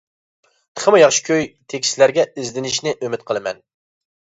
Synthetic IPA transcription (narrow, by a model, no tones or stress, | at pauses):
t̪ʰə̥χəmɨjɑχʃkʲʰøjt̪ʰekʲslæɾɡʲɛizd̪ɪnɪʃnɪʔømɪt̪̚qʰəlˠɨmɛ̰n